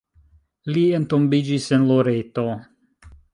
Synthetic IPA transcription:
lientombid͡ʒise̞nloɾeto

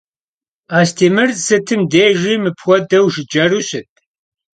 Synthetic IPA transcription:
aːstʰiːmɨrsɨtʰɨmdeːʒimɨpʰxʷɔdɐwʒɪd͡ʒɐruɕɨt̚ʰʼ

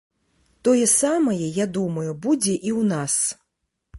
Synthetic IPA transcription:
t̪ɔjɛsamɐjɛjad̪umɐjubud͡zʲɛʔiwnas

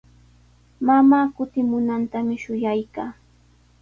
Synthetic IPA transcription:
mamaːkʊt̪ɪmʊnant̪amɪʃʊjajkaː

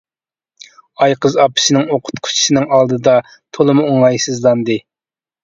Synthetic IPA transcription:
ɑjqʰəzɑpʰɨ̥sɨnɪŋoqʰʊ̥t̪qʰʊ̥t͡ʃʰi̥sɪnɪŋɑlˠd̪ɨd̪ɑ | t̪ʰolˠɨmuoŋɑjsɨzlˠɑnd̪ɨ

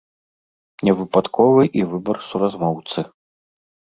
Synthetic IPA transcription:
nʲɛvɨpat̪kʰɔvɨʔivɨbɐrsuɾazmɔwt̪sɨ

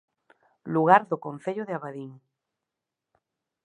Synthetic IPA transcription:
luɣaɾðokõn̟θeʎoðeaβaðiŋ

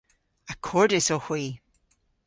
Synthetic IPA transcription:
akʰɔɹdɪsɔxwiː

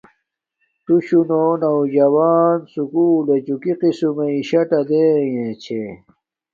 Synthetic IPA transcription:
t̪uɕunoːnawd͡ʑɐwaːnsukuːlet͡ɕukiqisumeiɕɐʈɐd̪eːjẽt͡ɕʰe

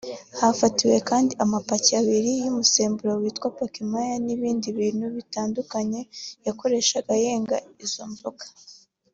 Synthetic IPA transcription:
hafatiwe̞kaːndiamapaciaβiɾijumuse̞ːmbuɾawiːtkwapakimajaniβiːndiβiːnhuβitaːndukaɲe̞jako̞ɾe̞ʃaɡaje̞ːŋɡa̰izo̞ɱvokḁ

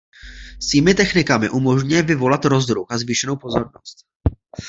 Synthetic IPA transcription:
sviːmɪt̪ɛxnɪkamɪʔumo̞ʒɲjɛvɪvo̞lat̪ɾo̞zd̪ɾuxazviːʃɛno̞wpo̞zo̞ɾno̞st̪

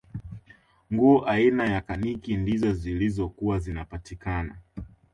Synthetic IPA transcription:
ŋɡuːʔainajakanikindizɔzilizɔkuwazinapatikana̰

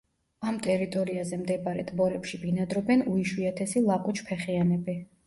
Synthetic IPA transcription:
amt̪ʼɛɾit̪ʼɔɾiazɛmd̪ɛbaɾɛt̪ʼbɔɾɛpʃibinad̪ɾɔbɛnuiʃwiat̪ʰɛsilˠakʼut͡ʃʰpʰɛχianɛbi

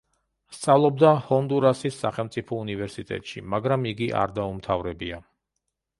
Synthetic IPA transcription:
st̪sʼavlˠɔb̚d̪ahɔnd̪uɾasisːaχɛlˠmt̪sʼipʰɔunivɛɾsit̪ʼɛ̰t̪ʼʃḭmaɡɾamiɡiʔa̰ɾd̪aumt̪ʰavɾɛbia

